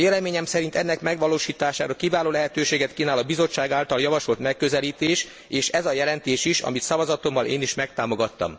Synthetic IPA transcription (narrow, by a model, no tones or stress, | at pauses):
eːlɛmeːɲɛmsɛɾint̪ɛnːɛkmɛɡʋɒloːʃiːt̪aːʃaːɾɒkivaːloːlɛɦɛt̪øːʃeːɡɛt̪kinaːlɒbizo̞t͡ʃːaːɡaːlt̪ɒljɒvɒʃo̞lt̪mɛkːø̞zɛliːt̪eːʃ | eːʃɛzɒjɛlɛnt̪eːʃiʃɒ̰mit̪sɒvɒzɒt̪o̞mːɒlʔeːniʃmɛk̚t̪aːmo̞ɡɒt̪ːɒ̰m